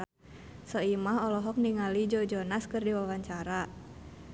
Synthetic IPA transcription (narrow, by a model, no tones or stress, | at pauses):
sɔimaɦɔlɔɦɔk̚niŋalid͡ʒɔd͡ʒɔnaskɨrdiwawaɲt͡ʃaɾa